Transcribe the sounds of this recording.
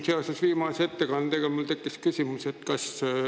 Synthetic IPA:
seɑsesʋiːmɑset̪ːekɑnːt̪eɡelmult̪e̞kːˑiskysʲimuset̪ːkɑs

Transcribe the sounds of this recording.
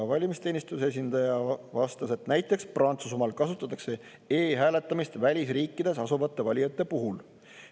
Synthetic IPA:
ɑvɑlʲimist̪e̞ːnist̪use̞s̬ʲind̪̥ɑjɑvɑst̪ɑse̞t̪næjt̪ˑːe̞ksprɑnt̪susumɑlkɑsut̪ːˑɑt̪ːˑɑkse̞ | eːɦæːle̞t̪ːˑɑmist̪vælʲisriːkːˑid̪̥e̞sɑsuvɑt̪ːe̞vɑlʲijɑt̪ˑːe̞puɦul

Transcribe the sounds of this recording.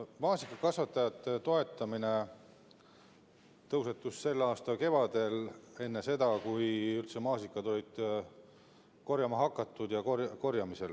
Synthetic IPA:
mɑːsikˑːɑkɑsvɑt̪ːˑɑjɑt̪ːˑet̪o̞e̞t̪ːˑɑmine̞ | t̪ɤwse̞t̪ːˑusse̞lːɑːst̪ɑke̞vɑd̪̥e̞le̞nːe̞se̞d̪ɑkujylt̪semɑːsikːˑɑd̪o̞lʲid̪̥ | ko̞ɾjɑmɑɦɑkːˑɑt̪ːˑud̪̥jɑkorko̞rjɑmise̞l

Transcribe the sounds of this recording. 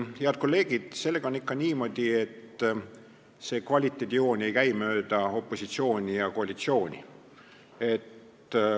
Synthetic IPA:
heɑd̪̥̚ko̞lːe̞ːɡ̥id̪̥se̞lːe̞ɡ̥ɑonikːɑniːmo̞d̪̥ie̞t̪ | se̞kvɑlʲit̪ːˑed̪ʲio̞ːnʲe̞jkæjmø̞ːd̪̥ɑo̞pˑːo̞sit̪sio̞ːnʲijɑko̞ɑlʲit̪sio̞ːnʲḭ | e̞t̪ː

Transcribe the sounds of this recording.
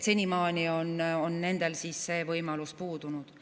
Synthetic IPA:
se̞nʲimɑːnʲio̞nonne̞nd̪̥e̞lsiːsse̞ːvɤjmɑluspuːd̪̥unud̪̥

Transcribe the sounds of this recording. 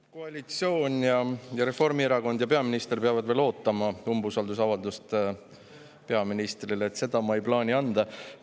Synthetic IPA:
koɑlʲit̪sio̞ːnʲjɑjɑɾe̞fo̞rmieɾɑko̞nd̪jɑpe̞ɑminist̪erpeɑvɑd̪̥ve̞ːlo̞ːt̪ːˑɑmɑumbusɑld̪us̬ɑvɑld̪ust̪ | pe̞ɑminist̪rileːt̪se̞d̪̥ɑmɑejplɑːnʲiɑnd̪̥ɑ

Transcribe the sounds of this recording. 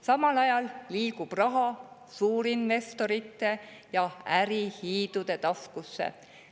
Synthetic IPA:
sɑmɑlɑjɑlliːɡ̥ub̥rɑɦɑ | suːɾinve̞st̪o̞ɾit̪ːˑe̞ | jɑæɾihiːd̪̥ud̪̥e̞t̪ɑskusːḛ

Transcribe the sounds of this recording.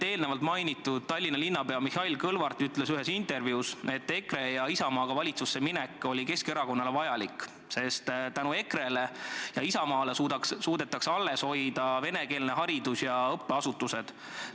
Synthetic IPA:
e̞ːlnevɑlt̪mɑjnit̪ːˑud̪̥̚t̪ɑlʲːinɑlinːɑpe̞ɑmihɑilkɤlvɑrt̪ˑyt̪ːle̞syɦe̞sint̪e̞rvjuuse̞t̪ˑːe̞kre̞jɑisɑmɑːɡ̥ɑvɑlʲit̪susːe̞minekːˑo̞lʲike̞ske̞ɾɑko̞nːɑle̞vɑjɑlikːˑ | se̞st̪t̪ænue̞kre̞le̞jɑisɑmɑːlesud̪ɑksuːd̪̥e̞t̪ːˑɑksɑlːe̞sho̞jd̪̥ɑve̞ne̞ke̞ːlneɦɑɾid̪usjɑɤpːe̞ɑsut̪ːˑuse̞d̪̥

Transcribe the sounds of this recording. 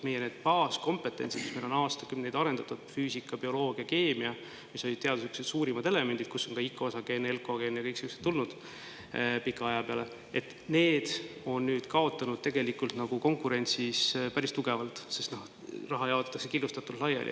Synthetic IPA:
me̞jeneːd̪̥pɑːsko̞mpe̞t̪ːˑe̞nʲsid̪mismelonɑːst̪ɑkymned̪ɑɾe̞nd̪ɑt̪ud̪fyːsikːˑɑbio̞lo̞ːɡ̥iɑke̞ːmiɑ | miso̞lʲid̪̚t̪e̞ɑd̪usukset̪suːɾimɑd̪e̞le̞me̞nd̪̥id̪̥kusːo̞ŋkɑikːˑoosɑɡ̥e̞ːne̞lko̞ɡe̞ːnjɑkɤjksikuse̥t̪ːulnud̪̥ | pikːˑɑɑjɑpeɑle | e̞t̪ː | ne̞ːd̪̥o̞nːyːd̪̥kɑo̞t̪ːˑɑnud̪̥t̪e̞ɡe̞likːult̪nɑɡ̥uko̞ŋkuɾe̞nʲt̪sispæɾist̪uɡ̥e̞vɑlt̪ˑsest̪noh | rɑɦɑjɑot̪ːˑɑt̪ːɑkse̞kilːust̪ɑt̪ːˑullɑjɑ̰lʲʔḭ

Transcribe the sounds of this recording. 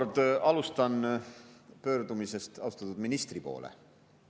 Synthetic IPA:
rd̪̥ɑlust̪ɑn | pø̞ːɾd̪umise̞st̪ɑust̪ɑt̪ud̪̥minist̪ripo̞̰ːlʔḛ

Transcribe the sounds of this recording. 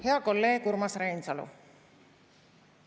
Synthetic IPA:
heakolːekuɾmasɾaint͡salo̰

